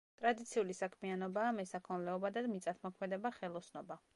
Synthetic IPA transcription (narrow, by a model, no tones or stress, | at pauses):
t̪ʼɾad̪it̪sʰiulisakʰmianɔbaːmɛsakʰɔnlɛɔbad̪ad̪mit̪sʼat̪ʰmɔkʰmɛd̪ɛbaχɛlˠɔsʰnɔba